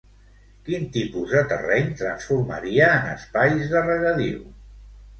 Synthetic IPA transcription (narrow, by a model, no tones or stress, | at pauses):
kint̪ipuzðət̪ə̰rɛɲt̪ɾənsfuɾmə̰ɾiəːnə̰spajzðərəɣəðḭw